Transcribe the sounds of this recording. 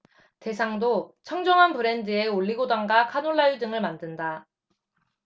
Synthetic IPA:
te̞sʰaŋdot͡ɕʰʌŋd͡ʑʌŋɦanpɯɾe̞ndɯe̞oɭːiɡodaŋɡakʰanoɭːajudɯŋɯɭmandɯnda

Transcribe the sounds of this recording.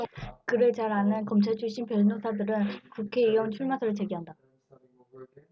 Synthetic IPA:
kɯɾet͡ɕaɾanɯnkʌmt͡ɕʰaɭt͡ɕʰuɕ͈impjʌɭnosʰadɯɾɯnkukʰe̞iʌnt͡ɕʰuɭmasʰʌɾɯɭt͡ɕe̞ɡiɦanda

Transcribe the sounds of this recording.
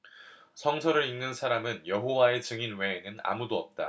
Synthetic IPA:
sʰʌŋsʰʌɾɯɾinːɯnsʰaɾamɯnjʌɦowae̞t͡ɕɯŋinwe̞ːnɯna̰mudoʌp̚t͈a̰

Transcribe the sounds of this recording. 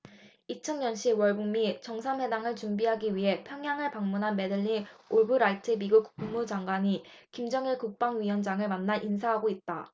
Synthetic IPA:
it͡ɕʰʌnɲʌnɕ͈ʰiwʌɭbuŋmit͡ɕʌŋsʰanwe̞daŋɯɭt͡ɕumbiɦaɡiɥiɦe̞pʰjʌŋɦjaŋɯɭpaŋmunɦanme̞dɯʎːioɭbuɾaɭtʰɯmiɡuk̚uŋmud͡ʑaŋɡwaɲikimd͡ʑʌŋiɭkuk̚p͈aŋɥiwʌnd͡ʑaŋɯɭmanːaɭʔinsʰaɦaɡoit̚t͈a

